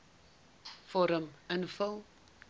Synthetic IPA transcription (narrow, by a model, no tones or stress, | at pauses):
fɔɾəmənfəlˠ